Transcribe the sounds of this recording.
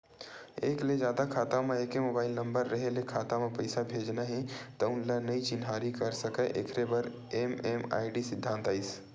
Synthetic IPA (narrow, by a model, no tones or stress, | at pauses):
eːkled͡ʒjaːd̪akʰaːt̪ameeːkemobaːɪlnəmbəɾːəɦelekʰaːt̪amepəɪsabʱed͡ʒnaɦɛ̃t̪əʊnlanəit͡ʃɪnɦaɾikəɾsəkɛʔḛkʰɾebəɾ | emema̰ːɪɖisɪd̪ʱːãnt̪aːɪs